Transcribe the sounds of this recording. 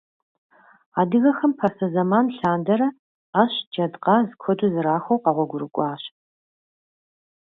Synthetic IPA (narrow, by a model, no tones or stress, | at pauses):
aːdɨɣɐxɐmpʰɐsɐzɐmaːnɬaːndɐɾɐ | aːɕd͡ʒɐdqɑːzɨkʷʰɔduzɨraːxʷɐwqɑʁʷɔɡʷʊɾɨkʷʼɑːɕ